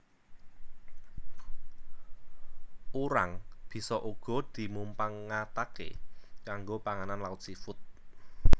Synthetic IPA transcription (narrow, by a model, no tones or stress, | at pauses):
uɾa̰ŋb̥i̤sɔʔuɡ̥ɔ̤d̪̥i̤mumpaŋːat̪akḛkaŋɡopaŋananlaut̪sifʊt̪̚